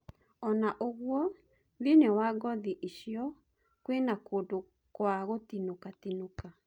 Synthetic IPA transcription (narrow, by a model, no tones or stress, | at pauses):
ɔnaʔoɣwɔ | ðinewaɡɔðiʔiʃjɔ | kwenakoːdo | kwaɣotinokatinoka